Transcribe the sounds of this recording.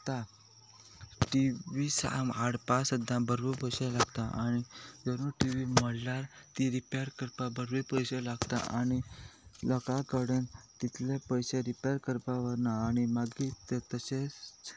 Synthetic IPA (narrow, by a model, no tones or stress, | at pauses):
t̪a | ʈiʋisa̰maɽpasəd̪ʱːãbəɾʋipəjɕelaɡt̪aʔaɽ̃id͡zəɾuʈiʋiməɽlaɾt̪iɾipjaɾkəɾpabəɾʋipəjselaɡt̪a̰ʔa̰ñiləkakəɽẽnt̪it̪ʰlepəjseɾipjɾkəɾpaʋəɾnaːɽ̃imaɡit̪et̪əse